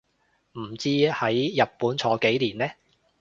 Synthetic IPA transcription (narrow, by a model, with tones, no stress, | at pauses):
m̩˨˩t͡siː˥hɐ˨˥jːɐ˨t̚puː˨˥nt͡sʰɔː˨˥ke˨˥jliː˨˩nlɛː˥